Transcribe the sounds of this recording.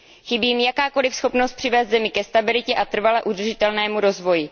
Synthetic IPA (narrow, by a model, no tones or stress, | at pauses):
xɪbiːmjakaːko̞lɪfsxo̞pnost̪̚pr̝̥ɪvɛːst̪zɛmɪkɛst̪abɪlɪcɛʔat̪r̩valɛʔud̪r̩ʒɪt̪ɛlnɛːmuɾo̞zvo̞jɪ